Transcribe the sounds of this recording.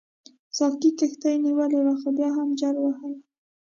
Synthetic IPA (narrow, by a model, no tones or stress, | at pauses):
sɑkikext̪ajniwəlewaxobjɑɦamd͡ʒaɾwahaj